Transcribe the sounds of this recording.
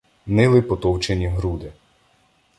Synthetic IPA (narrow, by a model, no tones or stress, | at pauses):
nɪlˠɪpɔt̪ɔwt͡ʃenʲiɦɾud̪ɪ